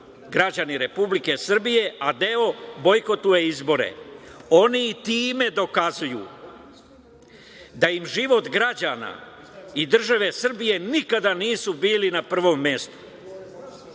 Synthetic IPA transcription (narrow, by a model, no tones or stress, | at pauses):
ɡɾad͡ʑaniɾe̞publike̞sr̩bije̞ad̪e̞o̞bo̞jko̞t̪uje̞izbo̞ɾḛo̞niːt̪iːme̞d̪o̞kazujṵ | d̪aimʒiʋo̞t̪ɡɾad͡ʑaːna̰ | id̪r̩ʒaʋe̞sr̩bije̞nikad̪aniːsubiːlinapr̩ʋo̞mːje̞st̪u̥